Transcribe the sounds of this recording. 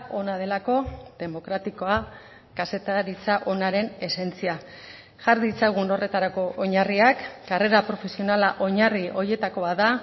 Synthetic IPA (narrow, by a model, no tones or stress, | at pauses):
o̞nað̞e̞lako̞ðe̞mo̞kɾat̪iko̞a | kase̞t̪aɾit͡saʔo̞naɾe̞ne̞se̞nt͡sia | ʝaɾðit͡saɣ̞uno̞re̞t̪aɾako̞ʔoɲariakɡare̞ɾapɾo̞fe̞sio̞nalaʔo̞ɲario̞ɾje̞t̪ako̞aða